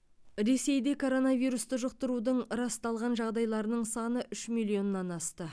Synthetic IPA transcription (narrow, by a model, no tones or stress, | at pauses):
ɾe̞se̞jd̪e̞kʰo̞ɾo̞nɑvijɾust̪əʒəq̚t̪əɾud̪əɴɾɑst̪ɑlˠʁɑnʒɑʁd̪ɑjlˠɑɾənəɴsɑnəʔʏʃmilʲˠio̞nːɑnɑst̪ə